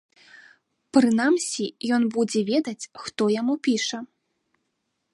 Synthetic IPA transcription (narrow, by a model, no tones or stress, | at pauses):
pɾɨnamsʲijɔnbud͡zʲɛvʲɛd̪ɐt͡sʲxt̪ɔjamupʲiʂɐ